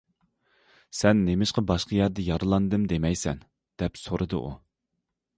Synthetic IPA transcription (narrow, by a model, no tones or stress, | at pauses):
sɛnːemɪʃqəbɑʃqʰəjæɾd̪ɛjɑɾɨlˠɑnd̪ɨmd̪emɛjsɛn | d̪̥ɛpsoɾɨd̪ɨ̰ʔṵ